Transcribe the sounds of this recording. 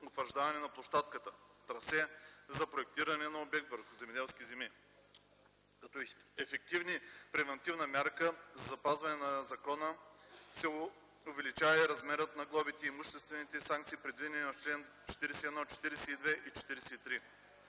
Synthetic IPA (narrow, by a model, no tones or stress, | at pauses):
ot̪vəɾʒd̪avɐnɛnɐplˠoʃt̪at̪kət̪ət̪ɾɐsɛzɐpɾoɛk̚t̪iɾɐnɛnɐobɛk̚t̪vəɾxʊzɛmɛd̪ɛlˠskʲizɛmi | kɐt̪ɔɛfɛk̚t̪ivnipɾɛvɛnt̪ivnəmʲjaɾkəzɐzɐpazvɐnɛnɐzɐkɔnəsɛ | ʊvɛlit͡ʃavɐiɾɐzmɛɾət̪nɐɡlˠɔbit̪ɛimuʃt̪ɛst̪vɛnit̪ɛsãŋkt̪siːpɾɛd̪vid̪ɛɛninɐft͡ʃlɛn | t͡ʃɛ̥t̪iɾɛsɛiɛd̪nɔt͡ʃɛ̥t̪iɾɛsɛid̪vɛʔit͡ʃɛ̥t̪iɾɛsɛit̪ɾi